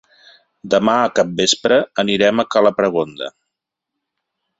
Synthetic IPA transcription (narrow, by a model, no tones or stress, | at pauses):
d̪əmaəkap̚bespɾəəniɾɛməkaləpɾəɣ̞ond̪ə̰